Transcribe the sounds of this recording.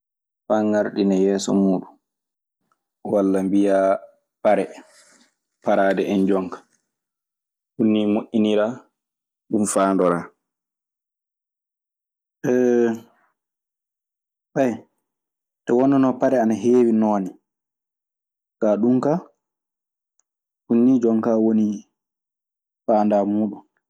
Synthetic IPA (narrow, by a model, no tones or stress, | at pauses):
faŋaɾɗinajɛːsɔ̰muːɗun | walːambija | paɾɛ | paɾaːdɛʔɛnd͡ʒɔŋkḁ | ɗunːimoʔːiniɾa | ɗumfaːndɔɾa | ʔɛ | ɓɛj | tɔwɔnːɔnɔpaɾɛanaɦeːwinɔːni | kaɗumka | hunːid͡ʒɔŋkawoni | faːndamuːɗun